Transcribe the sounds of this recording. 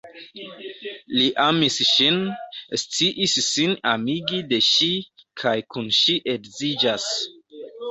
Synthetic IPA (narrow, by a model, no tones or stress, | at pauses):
liʔamisʃinst͡siʔisːinamiɡide̞ʃikʰajkunʃiʔe̞kzid͡ʒas